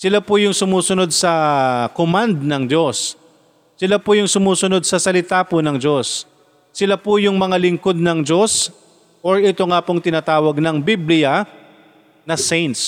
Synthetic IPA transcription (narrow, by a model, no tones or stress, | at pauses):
sɪlapʊjʊŋsʊmuːsʊno̞d̪̚sɐkomand̪nɐŋd͡ʒo̞sː | ɪlapʊjʊŋsʊmuːsʊnod̪̚sɐsɐlɪt̪apʊnɐŋd͡ʒo̞sː | ɪlapʊjʊŋmɐŋalɪŋko̞d̪̚nɐŋd͡ʒo̞s | ʔoɹɪt̪o̞ŋapʊŋt̪ɪnaːt̪aːwɐɡ̚nɐŋbiblɪja | nɐsejnt̪s